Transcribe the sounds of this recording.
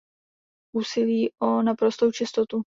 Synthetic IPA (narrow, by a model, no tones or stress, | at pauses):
ʔuːsɪliːʔonapɾo̞st̪owt͡ʃɪst̪ot̪u